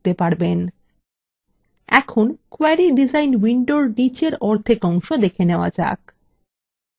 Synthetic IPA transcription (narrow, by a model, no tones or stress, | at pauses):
t̪epaɾben | ɛ̰kʰonkoaɾiɖid͡ʑajnwiɳɖoɾnit͡ɕeɾɔɾt̪ʰekɔŋʃod̪ekʰeneoa̰d͡ʑa̰k